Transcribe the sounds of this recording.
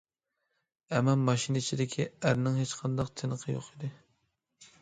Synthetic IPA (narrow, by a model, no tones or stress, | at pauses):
ɛmɛnmɑʃinɪt͡ʃʰid̪ɪkʲʰiæɾnɪŋɦet͡ʃqʰɑnd̪ɑqt̪ʰenəqʰəjo̰qid̪ɨ